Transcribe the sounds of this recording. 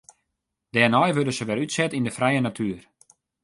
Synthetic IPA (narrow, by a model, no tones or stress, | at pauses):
d̥ɛːrnɔjʋødəsəʋɛlytsɛtindəfrɛjənatʰyər